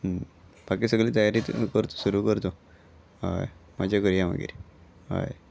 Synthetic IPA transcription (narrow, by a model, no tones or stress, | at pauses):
pakisəɡliːt̪əjaɾikəɾt̪o̥suɾukəɾt̪o | a̰jmad͡ʑakəɾijaʋa̰ɡḭɾi | ɦa̰j